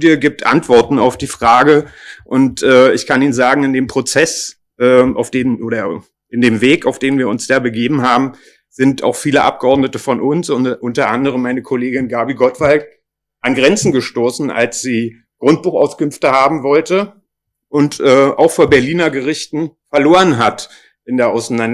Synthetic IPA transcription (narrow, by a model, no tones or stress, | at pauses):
djəɡiːp̚tʔa̰ntv̥ɔɐtn̩aʊfd̥iːfʁ̥aːɡəʔʊntʔɛːɪçkʰaniːnzaːɡŋ̩ɪndeːmpʁ̥ot͡sɛs | ʔɛːʔa̰ʊfd̥eːnʔoːɾɐ | ʔɪndeːmveːkaʊfd̥eːnviːɐʊnsd̥aːbəɡeːbm̩ɦaːbm̩ | z̥ɪnta̰ʊxfiːləʔa̰p̚ɡ̥əʔɔɐdnətəfɔnʔʊnsʊnʔʊntɐʔandəʁ̞əmːaɪnəkʰoleːɡɪnɡaɐbiɡɔtv̥alt | ʔanɡʁɛnt͡sn̩ɡəʃtoːsn̩ʔa̰lsz̥iː | ɡ̥ʁʊnt̚b̥uːχa̰ʊskʏmftəhaːbm̩vɔltə | ʔʊntʔɛːʔa̰ʊxfoːɐbɛɐliːnɐɡəʁɪçtn̩fɛɐloːʁənɦat | ʔɪndeːɐʔaʊsnan